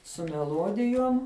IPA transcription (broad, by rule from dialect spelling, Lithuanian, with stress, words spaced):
sʊ mʲɛˈlˠuɔdʲɪjuɔm